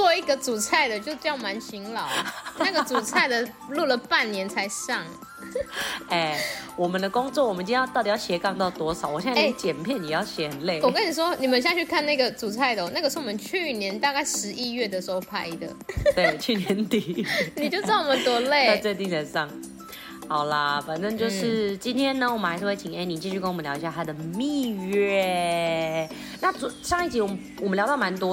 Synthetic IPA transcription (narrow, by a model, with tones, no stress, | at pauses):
t͡swɔ˥˧i˥ɡə˨t͡su˨˩t͡sʰa˥˩ɪd̪ə˩t͡ɕjo˥˧ʊt͡sjɑ˥˩ma˧˦˥nt͡ɕʰi˧˥ŋlɑ˨˩˦na˥˩ɡə˧t͡su˧˨˩t͡sʰa˥˩ɪd̪ə˩ | lu˥˩lə˩pa˥˩nnjɛ˧˥nt͡sʰa˧˥ɪʂɑ˥˩ŋ | ɛ˥˧˩wɔ˨˩mə˦nd̪ə˧kʊ˥ŋt͡swɔ˥˩wɔ˨˩mə˦ni˨t͡ɕĩ˥ŋjɑ˥˧t̪ɑ˥˩t̪i˨˩jɕjɛ˧˥kɑ˥˩ŋt̪ɑ˥˩ʊt̪wɔ˥sɑ˨˩˦ʊwɔ˨˩ɕjɡə˧˩t͡ɕjɛ˨˩npʰjɛ˥˨ni˨˩jɑ˥˩ʊɕjɛ˧˥xə˨˩nle˥˩wɔ˨kə˥ni˨˩ʂwɔ˥ni˨˩mə˦nɕja˥˧t͡ɕʰy˥˧kʰa˥˧nna˥˩ɡə˩t͡su˨˩t͡sʰa˥˩ɪd̪ə˩ɔ˨˩n˥˩ɡəʂ̩˧˥wmə˧˦nt͡ɕʰy˥˩njɛ˧˥nt̪a˥˧ka˥˩ɪʂɻ̩˧˥i˥ɥɛ˥˩d̪ə˩ʂɻ̩˧˥ho˥˧ʊpʰa˥d̪ə̰˨t̪we˥˩ɪt͡ɕʰy˥˩njɛ˧˦˥nt̪i˨˩ni˨˩t͡ɕjʊt͡s̩˥˩wɔ˨˩mə˧˦nt̪wɔ˧˥le˥˩ɪa˥˧t͡sa˥˧ɪt̪i˥˩ŋa˥˨˩ʂɑ˥˩ŋ | xɑ˨˩ʊlə˦fa˨˩nʈ͡ʂə˥˧ŋt͡ɕjo˥˧ʊʂɻ̩˥˩t͡ɕi˥nt̪ʰjɛ˥nnə˧wɔ˨˩ə˦nxa˧ɪʂ̩˥we˧˥ɪt͡ɕʰi˨˩ŋɛ˥˩ɪni˨˩t͡ɕi˥˧ɕy˥˩kə˥nwɔ˨ə˦ljɑ˧˥ʊi˧˩ɕja˥˩t̪a˧˥d̪ə˨mi˥˧ɥɛ˥˩ | na˥˩t͡su˧˥˩ʂɑ˥˧ŋi˥˩t͡ɕi˧˥ɔ˨˩m | wɔ˨˩mə˦ljɑ˧˥t̪ɑ˥˩ma˧˥nt̪wɔ˥